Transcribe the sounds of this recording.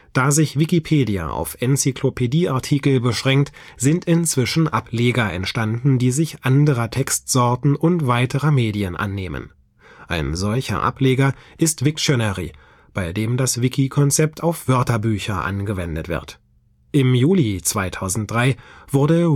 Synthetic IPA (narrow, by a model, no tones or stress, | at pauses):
d̥aːzɪçv̥ikipʰeːdia̰ʔa̰ʊfʔɛnt͡sikʰlopʰediːʔaɐtʰiːkl̩bəʃʁ̥ɛŋk̚t | z̥ɪntɪnt͡sv̥ɪʃn̩ʔapleːɡɐʔɛ̰ntʃtandn̩diːzɪçʔandəʁətʰɛkstz̥ɔɐtn̩ʊntv̥aɪtəʁəmeːdiənʔa̰nːeːmə̰n | ʔa̰ɪnzɔlçɐ̰ʔa̰pleːɡɐʔɪstv̥ɪkʃɔnɛʁḭ | b̥aɪdeːmdasv̥ɪkʰikʰɔnt͡sɛp̚tʰaʊfv̥œɐtɐbyːçɐʔa̰nɡəvɛndətv̥ɪ̰ɐt | ʔɪmjuːlit͡sv̥aɪtʰaʊzn̩t̚d̥ʁaɪv̥ʊɐdə